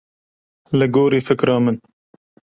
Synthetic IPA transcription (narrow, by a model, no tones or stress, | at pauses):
lɨɡoːɾiːfɨkɾɑːmɨn